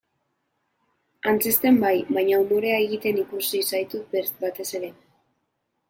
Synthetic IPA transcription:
ant͡sest̪e̞mbajβajɲaumoɾe̞ae̞ɣit̪e̞nikusisajt̪ut̪̚beɾbat̪e̞se̞ɾe̞

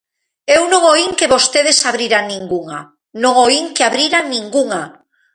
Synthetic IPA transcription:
ewnõŋoiŋkeβost̪eðesaβɾiɾaŋnĩŋɡuŋa | nõŋoiŋkeaβɾiɾaŋnĩŋɡuŋa

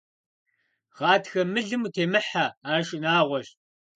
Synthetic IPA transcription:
ʁɑːtxɐmɨɮɨmutʰeːmɨħaaːʂʼɪnaːʁʷɔɕ

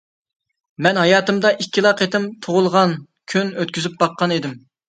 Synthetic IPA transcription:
mɛnɦɑjɑːt̪ɨmd̪ɑʔikʲʰːilˠɑqʰet̪ɪmt̪ʰoʁʊlˠʁɑn | kʲʰynøt̪̚kʲyzyp̚bɑqːɑned̪ɪm

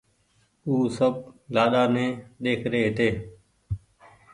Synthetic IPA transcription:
uːsəblaːɗaːnẽːɗeːkʰɾeːɦɪt̪eː

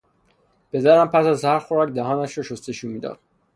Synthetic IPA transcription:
pe̞d̪æɾæmpʰæsæzhæɾxoɾɒːcd̪æɦɒːnæʃɾɒʃost̪eʃumiːd̪ɒ̰ːd̪̥

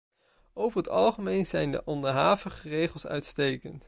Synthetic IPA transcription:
owvəɹɦətɑ̰lˠχəmejnzɛjndə̰ʔɔndəɹɦaːvəχərejχəlˠsœ̰ɥtstejkənt

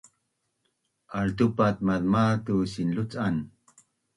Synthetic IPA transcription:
ʔaɭt̪̬upat̪̚maðmat̪usinlut͡san

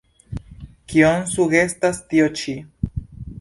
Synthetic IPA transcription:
kionsuɡe̞stastiot͡ʃi

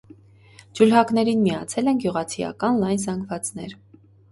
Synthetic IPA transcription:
d͡ʒulɦɑkn̪ɛɾinmiɑt͡sʰɛlɛnɡjuʁɑt͡sʰijɑ̰kɑnlɑjnzɑŋɡvɑt͡sn̪ɛɾ

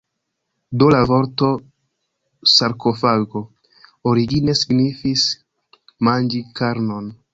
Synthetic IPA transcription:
dolavoɾto̞ | saɾkʰo̞faɡo̞ | oɾiɡine̞siɡnifis | mand͡ʒikaɾno̞n

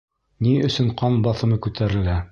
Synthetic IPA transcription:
niɵ̆sɵɴqɑnbɑθɤ̆mɤkʉt̪ʰæɾɘ̆læ

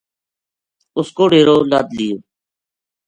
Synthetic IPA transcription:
ʊskoːɖeːɾoːlə̰d̪liːjoː

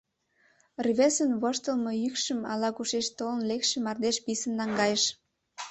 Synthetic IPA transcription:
rβesənβoʃt̪əlmɤ̽jykʃəmɑ̰lɑkuʃeʃt̪olənlekʃĕmɑrd̪eʃpisənːɑŋɡɑjəʃ

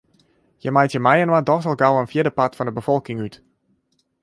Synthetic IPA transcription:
jəmajtjəmajənwadɔsəlˠɡawənfjiədəpatfɑndəbəfɔlˠkɪŋyt

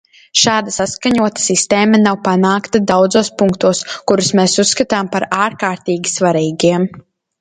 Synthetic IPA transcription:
ʃaːd̪asaskaɲuɔt̪ḁsist̪eːmanawpanaːkt̪ad̪awd̪zoːspuŋkt̪uɔskuɾusmeːsusːkat̪aːmpaɾaːɾkaːɾt̪iːɡʲi̥svaɾiːɡiɛm

